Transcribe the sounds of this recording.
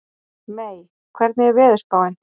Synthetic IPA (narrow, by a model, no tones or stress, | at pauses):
meːj | kʰvɛɾt̪nɪɣɛɾvɛːðʏɾspaːwɪn